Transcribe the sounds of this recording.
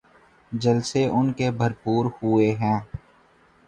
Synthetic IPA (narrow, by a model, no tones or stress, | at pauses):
d͡ʒəlseʔʊnkebʱəɾpuːɾhueɦɛ̃ː